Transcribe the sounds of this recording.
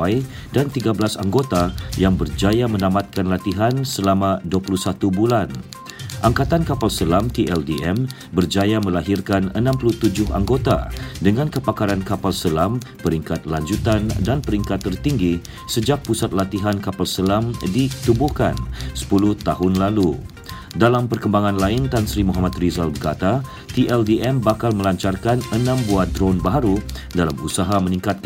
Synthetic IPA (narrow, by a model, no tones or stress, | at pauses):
aj | dant̪iɡablasaŋɡot̪ajaŋbərd͡ʒajamə̃namat̪̚kanlat̪iɦansəlamãduapuluhsat̪ubulan | ʔaŋkat̪ankapalsəlamt̪iʔɛldiɛm | bərd͡ʒajamə̃laɦirkanənãmpluht̪ud͡ʒʊɦa̰ŋɡot̪a̰dəŋãnkəpakaɾankapalsəlam | pəɾiŋkat̪̚laɲd͡ʒut̪andanpəɾiŋkat̪ːərt̪iŋɡi | səd͡ʒak̚pusat̪̚lat̪iɦankapalsəlamdit̪ubuhka̰nsə̥puluht̪aɦʊnlalu | dalampərkəmbaŋãnlaɪnt̪ansɾimuɦamat̪̚rizalbərkat̪a | t̪iʔɛldiʔɛmbakalməlaɲt͡ʃarkanənãmbuat̪̚d̪ɾɔnbaɦaɾu | dalamusaɦamənĩŋkat̪̚k